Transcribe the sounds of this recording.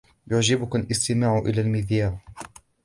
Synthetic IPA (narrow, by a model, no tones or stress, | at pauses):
jʊʕd͡ʒɪbʊkalʔɪst̪ɪmaːʕʊʔɪlaːlmɪðjaːɾ